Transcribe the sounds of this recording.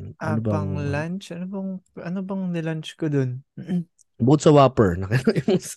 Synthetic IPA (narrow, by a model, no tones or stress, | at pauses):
ʔaobɐɐŋlant͡ʃʔɐnobɐŋʔɐnobɐŋnɪlant͡ʃkod̪on | bot̪̚sɐwaːpɛɹnɐkɪnojʊŋs